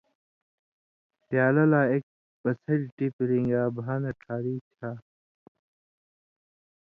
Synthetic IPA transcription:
pjaːlɐlaːek̚ | pɐsɐd͡ʑʈipɾĩŋɡaːbʱaːnɐʈʰaːɾiːt͡ɕʰaː

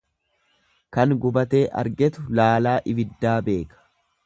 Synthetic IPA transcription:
kɐŋɡʊbɐt̪e̞ːʔɐ̰ɾɡɛt̪ʊlaːlaːʔɪbɪd̪ːaːbe̞ːkɐ̥

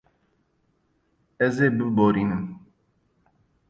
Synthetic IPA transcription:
ɛzeːbəboːɾiːnɨm

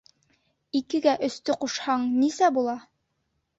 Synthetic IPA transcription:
ikɘ̆ɡæʔɵ̆st̪ɵquʃhɑɴnisæbulˠɑ

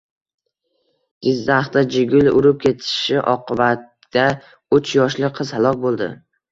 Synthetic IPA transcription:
ɡ̥ʲɪzːaχt̪ad͡ʒɪɡʲʊlʊ̰ɾɪp̚kʲʰe̞t̪ʰɪ̥ʃɪʔɒ̰qɨbat̪ː | a | ʊt͡ʃjɒʃlɪqʰɨzhalˠɒkʲbolˠd̪ɪ̰

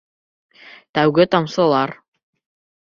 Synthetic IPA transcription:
t̪æwɡɘt̪ɑmsɤ̆lˠɑɾ

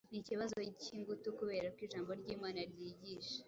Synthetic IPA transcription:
niciβazo̞ciːŋɡutukuβe̞ːɾakwiːʒaːmbo̞ɾɟiːmaːnaɾjiːɟiːʃḁ

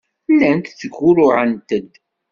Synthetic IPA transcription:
lːænkθəɡʊɾʊʕənt̪əd̪

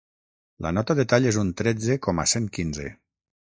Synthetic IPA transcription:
la̰nɔt̪aðet̪aʎezunt̪ɾɛd͡zekɔma̰seŋkinzḛ

